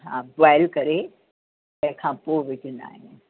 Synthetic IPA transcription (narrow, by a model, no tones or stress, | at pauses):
ɦã̰ːbaːɪlkɐɾe | ɛ̃kʰãːpoːʋɪt͡ʃəna̰ːɦẽ